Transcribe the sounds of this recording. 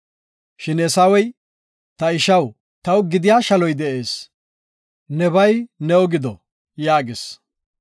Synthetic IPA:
ʃɪnɛsɐwɔj | t̪ɐɪʃɐw | t̪ɐwɡɪd̪ɪjaːʃɐlɔjd̪ɛʔe̞ːs | nɛβɐjnɛɔɡɪd̪ɔ | jaːɡes

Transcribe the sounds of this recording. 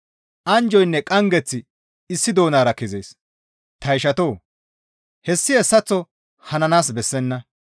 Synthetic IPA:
ʔɐnd͡ʒɔjnːɛkʼɐŋɡɛt͡sːɪ | ɪsːɪd̪o̞ːnaːɾɐkɛzeːs | t̪ɐjʃɐt̪o̞ː | hɛsːɪɛsːɐt͡sːɔ | hɐnɐnaːsbɛsːɛnːɐ

